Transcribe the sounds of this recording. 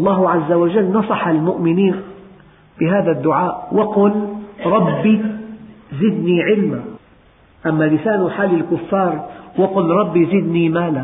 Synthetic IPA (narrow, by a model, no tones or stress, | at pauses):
ʔɑlˤːɑːɦʕazːawaʒalːnɑsˤɑħalmʊʔmɪniːn | b̥ɪɦaːðad̪ːʊʕaːʔwaqʊlɾˤɑbːi | zɪd̪niʕɪlma | ʔamːalɪsaːnʊħaːlɪlkʊfːɑːɾˤwaqʊlɾˤɑbːizɪd̪nimaːla